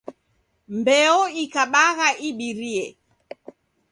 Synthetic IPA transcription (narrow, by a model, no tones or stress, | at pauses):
mbɛɔikaɓaɣaʔiɓiɾiɛ